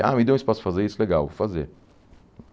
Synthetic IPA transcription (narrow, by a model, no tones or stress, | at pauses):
a̰ːmid̪õspɔsfazeɾisleɡawfazḛ